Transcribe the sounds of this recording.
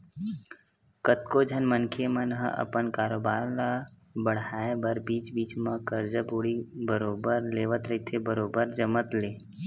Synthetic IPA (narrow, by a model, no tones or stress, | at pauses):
kət̪kod͡ʒʱənmənkʰemənɦə̰ʔə̰pənkaːɾoːbaːɾlabəɽ̤aːebəɾbiːt͡ʃbiːt͡ʃmə̃kəɾd͡ʒəboːɽibəɾoːbəɾleːʋət̪ɾəɦit̪ʰebəɾoːbəɾd͡ʒəmət̪leː